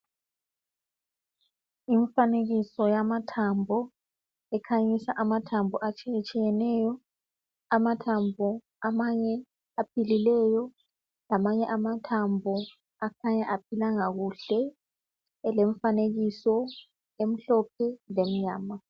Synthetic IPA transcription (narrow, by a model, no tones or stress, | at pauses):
iɱfaneɣisɔjamatʰambʱɔ | ɛkʰaɲisaʔamatʰambʱɔʔat͡ʃʼɛt͡ʃʼijɛnɛjɔ | amatʰambʱɔ | amaɲɛ | apʰililɛjɔ | lamaɲɛʔamatʰambʱɔ | akʰaɲaʔapʰilaŋaɣuɬɛ | leɱfaneɣisɔ | em̩ɬɔp̚ʰɛlem̩ɲaːma